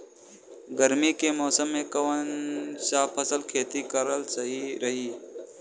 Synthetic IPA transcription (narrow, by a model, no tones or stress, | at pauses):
ɡəɾmikemɔːsəmːẽkɐʋənsaːpʰəsəlkʰeːt̪ikəɾəlsɐɦiɾɐɦiː